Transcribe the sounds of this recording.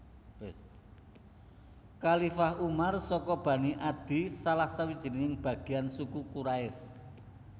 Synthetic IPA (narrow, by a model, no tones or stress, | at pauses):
kalifahumarsɔkɔb̥ä̤niʔad̪̥i̤salahsawid̥ʒ̥i̤ninɪŋb̥ä̤ɡ̥i̤ansukukuɾaɪs